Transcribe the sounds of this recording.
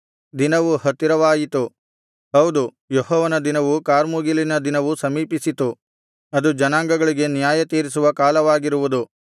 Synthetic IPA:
d̪inɐʋuhɐt̪ːiɾɐʋaːjit̪u | ɦɐwd̪u | jɔɦɔːʋɐnɐd̪inɐʋukaːɾmuːɡilinɐd̪inɐʋusɐmiːpisit̪u | ɐd̪ud͡ʒɐnaːŋɡɐɡɐɭiɡe̞njaːjɐt̪iːɾisuʋɐkaːlɐʋaːɡiɾuʋud̪u

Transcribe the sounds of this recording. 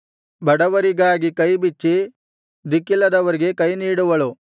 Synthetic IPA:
bɐɽɐʋɐɾiɡaːɡikɐjbit͡ʃːi | d̪ikːilːɐd̪ɐʋɐɾiɡe̞kɐjniːɽuʋɐɭu

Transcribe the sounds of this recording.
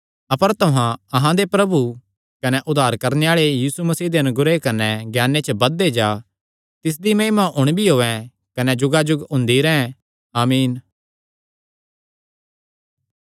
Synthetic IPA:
ɐpəɾt̪ʊɦãɐɦãd̪epɾɐbu | kɐnɛʔʊd̪aːɾkɐɾneaːɭejiːsumɐsiːd̪eɐnʊɡɾekɐnɛɡjaːnet͡ʃəbɐd̪ːed͡ʒaː | t̪ɪs̬d̪imẽːmãʔʊɽ̃bʱiɦoːɛ̃ | kɐnɛd͡ʒʊɡad͡ʒʊɡʊ̃nd̪iɾɛɦɛ̃ | aːmiːn

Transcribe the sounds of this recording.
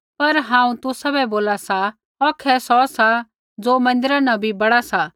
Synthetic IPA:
pɐɾɦãːũt̪ʊsabɛboːlasa | ɔkʰɛsɔsa | d͡zoːmɐ̃nd̪ɪɾanɐ̃bʱibɐɽasa

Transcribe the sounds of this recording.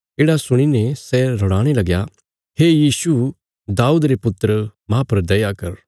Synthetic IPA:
eːɽasʊɽ̃inɛ̃sɛɾɔɽaːɽ̃elɐɡja | heːjiːsu | d̪aːuːd̪ɾepʊt̪ɾəmãːpɐɾd̪ɐjakɐɾ

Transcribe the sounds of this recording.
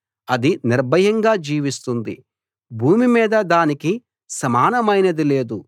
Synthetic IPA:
ɐd̪iniɾbɐjɐŋɡaːd͡ʒiːʋist̪und̪ḭ | bʱuːmimiːd̪ɐd̪aːniki | sɐmaːnɐmɐjnɐd̪ile̞ːd̪u

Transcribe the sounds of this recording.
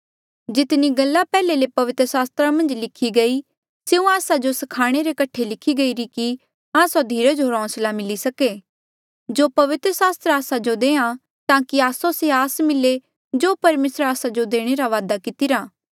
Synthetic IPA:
d͡ʒɪt̪niɡɐlːapɛːlelepɐʋɪt̪ɾəsaːst̪ɾamɐ̃nd͡ʒlɪkʰiɡɐi | seũaːsad͡ʒosɐkʰaːɽ̃eɾekɐʈʰelɪkʰːiɡɐiɾiki | aːsod̪ʱiːɾed͡ʒoɾɔ̃ːslamɪlisɐke | d͡ʒoːpɐʋɪt̪ɾəsaːst̪ɾaːsad͡ʒod̪eːã | t̪ãːkiaːsoseaːsmɪle | d͡ʒoːpɐɾmeːsəɾaːsad͡ʒod̪eːɽ̃eɾaʋaːd̪akɪt̪ɪɾaː

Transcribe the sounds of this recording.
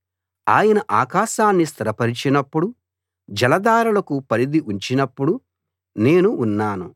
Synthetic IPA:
a̰ːjɐnɐʔaːkaːʃaːnːis̬t̪ʰɐɾɐpɐɾit͡ʃinɐpːuɽu | d͡ʒɐlɐd̪aːɾulɐkupɐɾid̪iʔuɲt͡ʃinɐpːuɽu | ne̞ːnuːnːaːnu

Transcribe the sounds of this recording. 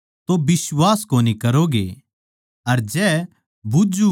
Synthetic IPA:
t̪obɪswaːskoːnikɐɾoɡḛ | ɐɾd͡ʒɛː | bud͡ʒu

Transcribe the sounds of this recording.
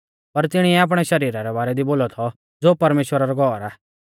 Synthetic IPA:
pɐɾt̪ɪɽ̃iɛaːp̬ɽ̃ɛʃɐɾiːɾaɾɛbaːɾɛd̪iboːlɔt̪ʰɔ | d͡zoːpɐɾmeːʃwəɾaɾɔɡʱɔːɾaː

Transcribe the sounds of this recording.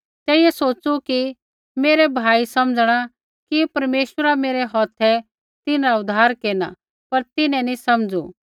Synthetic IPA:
t̪ɛːijɛsoːt͡ʃuki | meːɾɛbʱaːisɐmd͡zɽ̃a | kipɐɾmeːʃwəɾameːɾɛɦɔːt̪ʰɛ | t̪ɪnɾaʊd̪ʱaːɾkeːna̰ | pɐɾt̪ɪnɛ̃nisɐmd͡zṵ

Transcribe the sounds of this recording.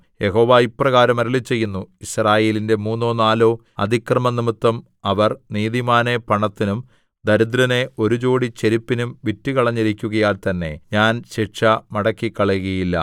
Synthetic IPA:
je̞ɦo̞ːʋaːipːrɐɣaːɾɐmɐɾɐlit͡ɕːe̞jːunːuisraːje̞ːlinde̞muːnːo̞ːnaːlo̞ː | ɐd̪ʱikrɐmɐnimut̪ːɐm | ɐʋɐrniːðimaːnepɐɳɐt̪ːinum | d̪ɐɾud̪ɾɐne̞o̞ɾut͡ɕo̞ːɽit͡ɕeɾipːinumʋitːikɐɭɐɲːiɾikʲːuɣɐjaːlt̪ɐnːe̞̰ɲaːnɕiʂɐmɐɽɐkːikːɐɭɐuɣɐjilːɐ̰

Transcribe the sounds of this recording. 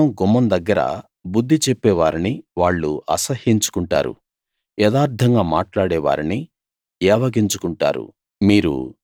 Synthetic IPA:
ɐmɡɔmːɐnd̪ɐɡːɐɾɐ̰ | bud̪ʱːit͡ʃepːɛːʋaːɾiniʋaːɭːuʔɐsɐhiɲt͡ʃu̥kuɳʈa̰ːɾṵ | jɛːd̪aːɾd̪ʰʱɐŋɡaːmaːʈlaːɽɛːʋa̰ːɾini | ɛːʋɐɡiɲt͡ʃukuɳʈa̰ːɾṵ | miːɾṵ

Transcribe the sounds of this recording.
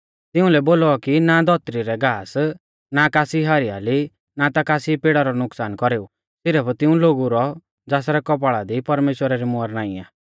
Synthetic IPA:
t̪ɪũlɛboːlɔkinad̪ʱɔt̪ɾiɾɛɡaːs | nakaːsiɦaɾia̰li | nat̪akaːsipeɽaɾɔnʊksaːnkɔɾeːu | sɪɾɛpʰt̪ɪũloːɡuɾɔ | d͡zaːsɾɛkɔp̬aɭad̪ipɐɾmeːʃwəɾaɾimʊəɾnaːĩa̰

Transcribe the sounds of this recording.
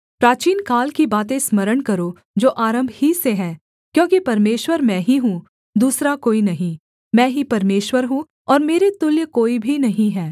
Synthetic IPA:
pɾaːt͡ʃiːnkaːlkibaːt̪ẽsmɐɾəɽkɐɾo | d͡ʒoːʔaːɾə̃mbʱhiseɦɛː | kjõːkipɐɾmeːʃwəɾmɛ̃ːɦiɦũ | d̪uːsɾakoːinɐɦĩ | mɛ̃ːɦipɐɾmeːʃwəɾɦũ | ɔːɾmeːɾet̪ʊljəkoːibʱinɐɦĩɦɛː

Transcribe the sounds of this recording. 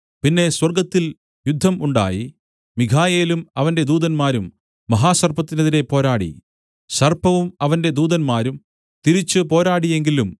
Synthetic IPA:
pinːe̞swɐrɡɐt̪ːil | jud̪ʱːɐmuɳɖa̰ːji | mikʰaːje̞ːlumɐʋɐnde̞d̪uːðɐnmaːɾumː | ɐɦaːɕɐrpɐt̪ːinɐðiɾe̞po̞ːɾaːɽḭ | ɕɐrpɐʋumɐʋɐnde̞d̪uːðɐnmaːɾum | t̪iɾit͡ɕːɨpo̞ːɾaːɽie̞ŋɡilum

